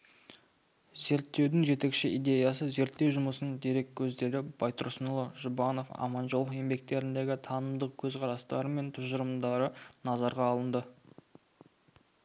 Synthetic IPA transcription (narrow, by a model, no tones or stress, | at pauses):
ze̞ɾt̪ːe̞wd̪ɪŋʒe̞t̪e̞kʃɪʔijd̪e̞jɑs̬əze̞ɾt̪ːe̞wʒʊməsənəd̪eɾe̞kʲʰːɵzd̪e̞ɾɪb̥ɑjt̪ʊɾsənʊlˠəʒʊbɑno̞fɑ̰mɑnʒo̞lˠe̞mbe̞k̚t̪e̞ɾɪnd̪e̞ɡʲɪt̪ʰɑnəmd̪əq̚kʲʰɵzqʰɑɾɑst̪ɑɾəme̞nt̪ʰʊʒəɾəmd̪ɑɾənɑzɑɾʁɑːlˠənd̪ə